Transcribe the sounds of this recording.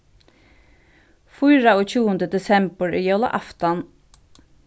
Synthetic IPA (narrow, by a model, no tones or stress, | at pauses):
fʊɪɹaoːc͡çʰuːənd̪əd̪ɛsɛmbəɹiːjɑʊla̰ʔɑft̪ɑn